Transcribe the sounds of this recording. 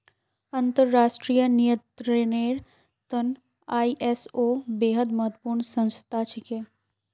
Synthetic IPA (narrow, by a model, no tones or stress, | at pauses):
ɐ̃nt̪əɾːaːʃʈɾijənijə̃t̪ɾeneːɾ | t̪ən | aːiʔesoːbeːɦəd̪mɐɦət̪puːɾɳsə̃nst̪ʰaːt͡ʃʰɪkeː